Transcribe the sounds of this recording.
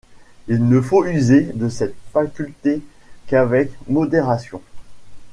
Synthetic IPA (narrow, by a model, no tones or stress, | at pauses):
ilnəfoyzed̪əsɛt̪fakʲylt̪e | kavɛkmɔd̪eʁasjɔ̰̃